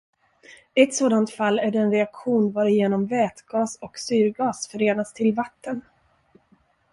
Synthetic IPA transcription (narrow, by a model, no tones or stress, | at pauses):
ɛt̪soːd̪ant̪falːæɖɛnɾɛakɧuːnvɑːɾɪjeːnɔmvɛːt̪ɡɑːsɔksyːɾɡɑːsfœɾeːnast̪ʰɪlvat̪ːən